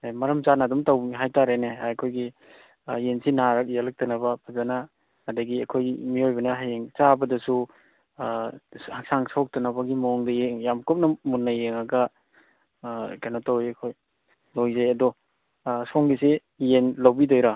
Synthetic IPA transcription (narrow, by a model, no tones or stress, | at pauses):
mɐɾɐmt͡ʃanadumtawɦajtaɾeneajkʰojɡi | jensinaɾɐk̚jalɐk̚tɐnɐbɐpʰɐzanaː | dɐɡiɐkʰojmiojbɐnɐɦajeŋt͡ʃabɐdɐsu | hak̚saŋsok̚tɐnɐbɐɡimoŋdɐjeŋjamkup̚nɐmunːɐjeŋaɡɐ | kanotawjakʰoj | lojzajɐdɔ | soŋɡise | jenlawbidojɾa